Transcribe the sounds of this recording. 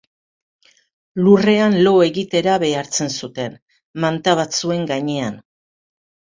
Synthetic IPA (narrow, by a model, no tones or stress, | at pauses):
lure̞anlo̞e̞ɣit̪e̞ɾaβe̞aɾt͡se̞nsut̪e̞n | mant̪aβ̞at͡sue̞ŋɡaɲe̞an